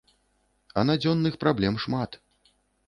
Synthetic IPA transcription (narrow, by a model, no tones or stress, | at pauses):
ɐnad͡zʲɔnːɨxpɾablʲɛmʂmat̪